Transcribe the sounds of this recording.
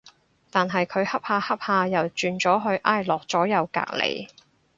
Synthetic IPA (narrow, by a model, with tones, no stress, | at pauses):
t̪aː˨nɦɐ˨jkʰɵ˨˧ɥhɐ˥p̚haː˧hɐ˥p̚haː˧jɐ˨wt͡ʃyː˨˧nt͡sɔː˨˥ɦɵ˧ɥʔaː˥˩jlɔː˨k̚t͡sɔː˨˥jɐ˨˧wka̰ː˧˨k̚lḛ˨˩j